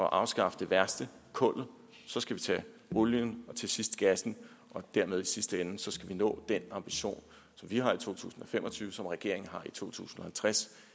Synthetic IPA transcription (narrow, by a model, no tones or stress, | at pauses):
ɒ̽ʔɑ̈ʊsɡ̥ɑ̈fəd̥e̝ʋæɐsd̥əkʰɔ̽l̰ð̩ˠ | sɒ̽sɡ̥æʋit͡sʰɛ̰o̝ljənɒ̽t͡sʰe̝sisd̥ɡ̥æsn̩ | ʔɒ̽d̥æɐmeð̞ˠisisd̥əen̩sɒ̽sɡ̥æʋinɔ̰̽ːd̥enɑ̈mb̥iɕo̝̰ːn | sɒ̽mʋihɑ̈it͡sʰo̝̰ːt͡sʰṵːsn̩ɒ̽femɒ̽t͡sʰyːʋəsɒ̽mʁɛɡ̥e̝ɐ̰eŋn̩ɦɑ̈it͡sʰo̝̰ːt͡sʰṵːsn̩ɒ̽hælt͡sʰʁas